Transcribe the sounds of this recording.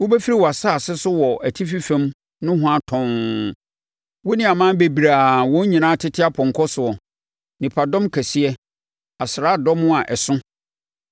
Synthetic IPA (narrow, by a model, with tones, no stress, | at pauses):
wo˦bɛ˦fi˦ɾi˦˨wɔ˨a˨saː˦˨sɪ˦sʊ˦wɔ˨æ˨tʰi˦fi˦fɛ̃˦m | nʊ̃˦ɦʊ̃˦a˦tʰɔ̃˨ŋ˨ | wo˦nɪ̃˦a˨mãː˦be˨bi˨ɾa˨wɔ̃˦ɲ˦ɲĩ˨nãː˦tʰɪ˦tʰɪ˦a˦pʰɔ̃˨ŋ˨kʰɔ˦sʊ˨ɔ˨ | nɪ̃˨pʰa˨dɔ̃˦mkʰæ˨si˦ɛ˦ | a˨sɪ˨ɾa˦dɔ̃˦mʊ̃˦a˨ʔɛ˨sʊ̃˦